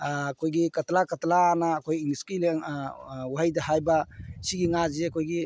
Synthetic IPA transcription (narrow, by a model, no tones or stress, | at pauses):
kʰojɡikɐtlakatlaːnaːkʰojiŋiskileŋwajdahajbasiɡiŋad͡ʒekʰojɡi